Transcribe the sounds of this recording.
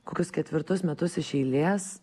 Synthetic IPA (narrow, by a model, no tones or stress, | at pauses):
koːkʲʊskʲɛt̪ʲʋʲɪɾt̪ʊsmʲɛt̪ʊsɪʃʲɛɪlʲeːs